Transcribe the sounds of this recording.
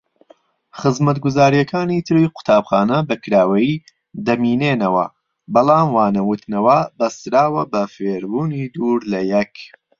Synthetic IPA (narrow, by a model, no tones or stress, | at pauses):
χɨzmɐt̪ɡʊzaːɾijɐkʰaːnit̪ʰɨɾiqʊ̥t̪ʰaːbχaːnɐbɐkɨɾaːwɐji | d̪ɐmiːneːnɐwɐ̰ | bɐlˠaːmwaːnɐwut̪nɐwɐbɐst̪ɾaːwɐbɐfeɾbuːnid̪uːɾlɐjɛk